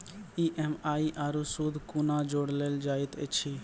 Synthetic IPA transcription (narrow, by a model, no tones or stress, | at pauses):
iʔemaːiʔaːɾusuːd̪ʱkuːnãd͡ʒoːɽleːld͡ʒaːit̪et͡ʃʰiː